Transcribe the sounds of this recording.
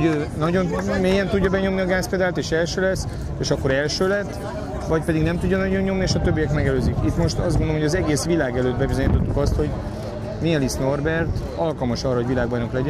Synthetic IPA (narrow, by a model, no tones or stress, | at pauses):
oøːnɒɟo̞nmeːjɛnt̪udɟːɒbɛɲo̞mniɒɡaːspeːd̪aːlt̪eːʃɛlʃøːlɛsː | eːʃɒkːo̞ɾɛlʃøːlɛt̪ː | vɒcpɛd̪iɡnɛmt̪uɟːɒnɒɟo̞ɲːo̞mnieːʃɒt̪øbːijɛkmɛɡɛløːzikit̪mo̞ʃt̪ɒzɡonoomɦoɒzɛɡeːsʋilaːɡɛløːd̪̚bɛbizo̞ɲit̪o̞t̪ːukɒst̪ho̞ɟ | niɛlisno̞rbɛrt̪ | ɒlkɒlmɒʃɒrːɒɦo̞ɟvilaːɡbɒjno̞klɛɟɛ